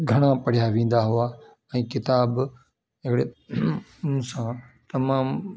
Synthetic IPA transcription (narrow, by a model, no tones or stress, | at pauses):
ɡʱɐɽ̃apɐɽ̤jaʋẽːn̆d̪aɦuaː | ɛ̃ːkɪt̪aːb | ɦɪkɽẽ | sãt̪ɐmaːm